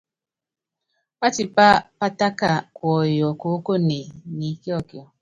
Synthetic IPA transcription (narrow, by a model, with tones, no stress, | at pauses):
pa˦ti˨pa˦pa˦ta˦ka˦˨kwɔ˨jɔ˨ko˨˦ko˦ne˨ni˨˦ke˦ɔ˦˨kjɔ˨